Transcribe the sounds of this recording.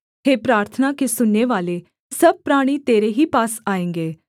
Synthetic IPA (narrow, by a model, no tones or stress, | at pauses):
ɦeːpɾaːɾt̪ʰənakesʊnːeʋaːle | sɐb̚pɾaːɽ̃it̪eːɾeɦiːpaːsaːẽŋɡeː